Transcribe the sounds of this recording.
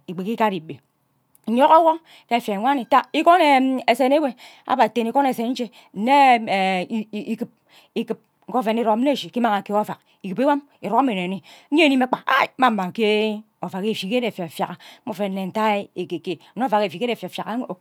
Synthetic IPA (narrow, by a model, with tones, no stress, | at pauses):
i˨ɡ͡be˨ki˦ka˦ɾi˨be˨˦ | ɲo˦ko˦wo˦ | ke˦˨fe˨ŋʷa˦ni˨ta˦i˦ko˦ne˨e˨se˨ne˦we˦ | a̰˦ba˨te˦˨ni˦ko˦ne˨se˨n˦n̩˦t͡ʃe˦ | ne˦˨˦ | i˦kɨ˨p̚ | i˦kɨ˨p̚ | ŋ̩˦ko˦fe˨n˦i˦ɾo˨˦e˦˨ʃi˨ki˦ma˦ŋa˨ke˨˦o˦˨fa˨k | i˨kɨ˨pi˦wa˦m | i˨ɾo˦kme˨n˨e˨ni˦e˦˨ni˦me˦k͡pa˨a̰˦˨ma˦˨m̩˦ma˨ŋ˨ke˦ | o˨fa˨ke˦˨fi˨ke˦de˨fa˨fja˨ka˨˦o˦fe˨n̩˦ne˨n̩˨ta˦e˨ke˨ke˨n˦o˦fa˨ke˨fi˨ke˦e˨fa˨fja˨ka˦˨